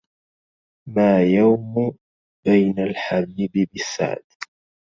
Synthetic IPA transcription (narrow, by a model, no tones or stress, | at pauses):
maːjawm | b̥ajnalħabiːbɪbɪsːa̰ʕd̪